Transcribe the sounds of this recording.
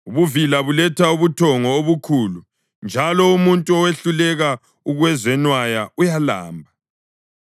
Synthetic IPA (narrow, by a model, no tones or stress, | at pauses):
uβuvilaβulɛtʰauβutʰɔŋɔoβukʰuːlu | nd͡ʒʱalɔumuntʼuɔweɬulɛɣa | uɣwɛzɛnwajaujala̰ːmbʱa